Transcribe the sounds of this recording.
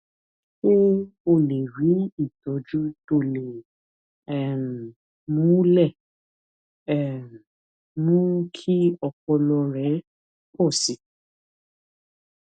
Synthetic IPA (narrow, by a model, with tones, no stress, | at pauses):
ko˦o˦˨le˨ɾi˨˦i˦˨tɔ˨˦d͡ʒu˦to˦˨le˨ | ɛ˨n˨ | mũ˨˦lɛ˦˨ | ɛ˨n˨ | nũ˦kʰi˦ɔ˧kɔ˧lɔ˧ɾɛ˨˦ | kɔ˦˨si˨